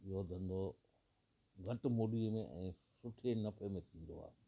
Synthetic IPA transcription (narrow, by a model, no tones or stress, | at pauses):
ɪɦod̪ʱɐ̃nd̪o | ɡʱɐʈ̆moːɖiəmẽʔɛ̰̃ː | sʊʈʰenɐfʰemẽt̪ʰĩːn̆d̪o̰a̰ːɪ